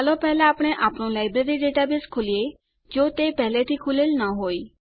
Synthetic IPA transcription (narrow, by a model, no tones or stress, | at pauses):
alɔpɛːlãaːpɽ̃eʔaːpɽ̃õlaːɪbɾeɾiɖeːʈabɪskʰʊlije | d͡ʒoːt̪epɛːlet̪ʰikʰʊlɪlnaɦoːiː